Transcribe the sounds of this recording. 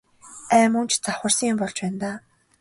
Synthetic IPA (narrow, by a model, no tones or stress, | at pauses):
æːmunt͡ɕt͡saχʊr̥siŋmpɔɮt͡ɕpæːnt̪aː